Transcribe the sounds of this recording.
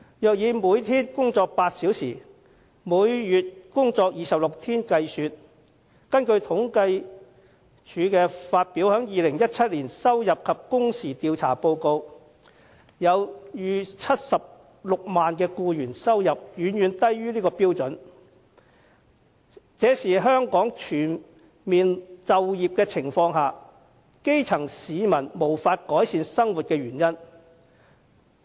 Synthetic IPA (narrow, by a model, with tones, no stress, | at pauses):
jœː˨k̚jiː˨˧muː˨˧jt̪ʰiː˥nkʊ˥ŋt͡sɔː˧k̚paː˧t̚si˨˥wsiː˨˩ | muː˨˧jjyː˨t̚kʊ˥ŋt͡sɔː˧k̚jiː˨˧sɐ˨p̚lʊ˨k̚t̪ʰiː˥nkɐ˧jsyː˨˧t̚ | kɐ˥nkɵ˧ɥt̪ʰʊ˨˥ŋkɐ˧j | t͡ʃʰyː˨˧kɛː˧faː˧t̚piː˨˥whœː˨˥ŋjiː˨lɪ˨˩ŋjɐ˥t̚t͡sʰɐ˥t̚liː˨˩nsɐ˥wjɐ˨p̚kʰɐ˨p̚kʊ˥ŋsiː˨˩t̪iː˧wt͡sʰa̰ː˨˩po˧wko˧w | jɐ˨˧wjyː˨˧t͡sʰɐ˥t̚sɐ˨p̚ | lʊ˨k̚maː˨nkɛː˧kuː˧jyː˨˩nsɐ˥wjɐ˨p̚jyː˨˧˥njyː˨˧nt̪ɐ˥jɥyː˥liː˥kɔː˧piː˥wt͡sɵ˨˥n | t͡sɛː˨˥siː˨ɦœː˥ŋkɔː˨˥ŋt͡ʃʰyː˨˩n | miː˨nt͡sɐ˨wjiː˨p̚kɛː˧t͡sʰɪ˨˩ŋfɔː˧ŋɦaː˨ | ke˥jt͡sʰɐ˨˩ŋsiː˨˧mɐ˨˩nmo˨˩wfaː˧t̚kɔː˨˥jsiː˧nsɐ˥ŋwu˨t̚kɛː˧ɥyː˨˩njɐ˥n